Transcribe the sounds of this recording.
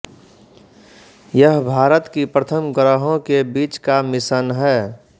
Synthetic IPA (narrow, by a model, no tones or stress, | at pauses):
jəɦbʱaːɾət̪kipɾət̪ʰəmkəɾəɦõkebiːt͡ʃkamɪsənɦɛː